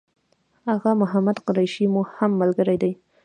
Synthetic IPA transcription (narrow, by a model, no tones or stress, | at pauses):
haɣamʊɦamad̪qʊɾajʃimohamːalɡəɾajd̪aj